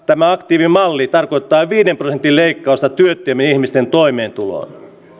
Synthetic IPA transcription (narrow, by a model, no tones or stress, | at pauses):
t̪æmæɑkt̪iːʋimɑlːit̪ɑrkoit̪ːɑːʋiːdemprosent̪ːilleikːɑust̪ɑt̪yøt̪ːˑyæminihmist̪ent̪oimeːnt̪ulo̰n